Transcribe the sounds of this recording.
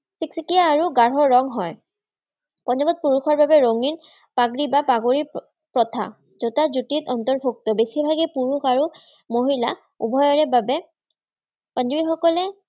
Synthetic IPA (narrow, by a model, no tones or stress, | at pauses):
siksikijaːɹuɡaɹɔɹːɔŋɦɔj | pɔnd͡ʒɔbɔt̚puɹuxʰɔɹbabɛɹoŋin | paɡɹibapaɡoɹi | pɹɔtʰa̰ | zotazutitɔntɔɹbʱuk̚tɔbesibʱaɡɛpuɹuxʰaɹu | moɦila̰ | ṵbʱɔjɔɹɛbabɛ | pɔnd͡ʒibixɔkɔlɛ